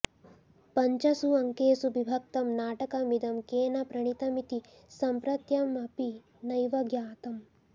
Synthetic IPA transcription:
pɐɲt͡ʃɐsuɐŋkeːsubibʱɐk̚t̪ɐmnaːʈɐkɐmid̪ɐmkeːnɐpɾɐɳ̃it̪ɐmit̪i | sɐmpɾɐt̪jɐmɐpi | nɐjʋɐɡjaːt̪ɐm

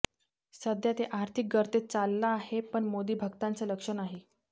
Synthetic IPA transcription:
səd̪jat̪eʔaɾt̪ʰik̚ɡəɾt̪et͡salːaːɦepəɳmod̪iːbʱəɡt̪ant͡sələkʂənaɦe

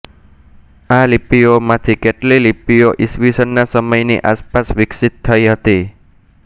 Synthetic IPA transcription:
alipiomat̪ʰikɛʈlelipijoʔiswisənːasəməjnḭʔaspasʋiksit̪ʰːəiɦət̪i

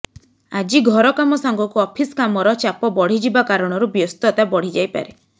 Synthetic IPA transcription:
ad͡ʒiɡʱɔɾɔkamɔsaŋɡɔkuɔpʰiskamɔɾɔt͡ʃapɔbɔɽ̤id͡ʒibakaɾɔɽ̃ɔɾubjɔst̪ɔt̪abɔɽ̤id͡ʒajpa̰ɾe

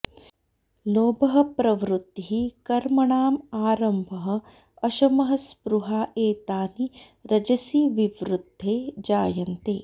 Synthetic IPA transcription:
loːbɐɦɐ̆pɾɐʋɾut̪ːiɦikɐɾmɐɳaːmaːɾɐmbʱɐɦɐ̆ | ɐʃɐmɐɦɐspɾuɦaːʔeːt̪aːni | ɾɐd͡ʒɐsiʋiʋɾud̪ʱːeːd͡ʒaːjɐnt̪eː

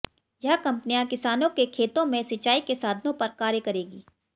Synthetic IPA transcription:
jɐɦkɐ̃mpnijãkɪsaːnõkekʰeːt̪õmẽsɐt͡ʃːaːikesaːd̪ʱnõpɐɾkaːɾjəkɐɾeːɡiː

